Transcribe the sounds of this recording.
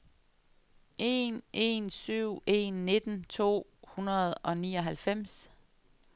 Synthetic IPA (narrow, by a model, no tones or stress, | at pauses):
ʔe̝̰nʔe̝̰nsyʊ̰e̝̰nːe̝d̥n̩t͡sʰo̝̰ːhunɐð̩ˠɒ̽niːɒ̽ɦælfem̰s